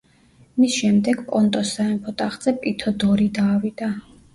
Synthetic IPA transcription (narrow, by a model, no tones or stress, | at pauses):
misʃɛmd̪ɛɡpʼɔnt̪ʼɔsaɛmpʰɔt̪ʼaχd̪z̥ɛpʼit̪ʰɔd̪ɔɾid̪aːwid̪a